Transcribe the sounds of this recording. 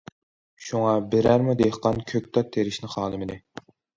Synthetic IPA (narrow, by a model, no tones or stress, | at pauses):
ʃuŋɑbɪɾæɾmud̪ehqɑnkʲʰøkʲt̪ʰɑt̪ʰːeɾɪʃnɪχɑːlˠɨmɪd̪ɪ